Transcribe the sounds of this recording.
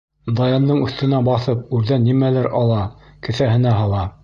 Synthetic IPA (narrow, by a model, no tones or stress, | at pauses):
d̪ɑjɑnd̪ɤɴʉ̆θt̪ɘ̆næbɑθɤp̚ʉɾðænːimælɘɾʔɑlˠɑkɘ̆θæhɘ̆næɦɑlˠɑ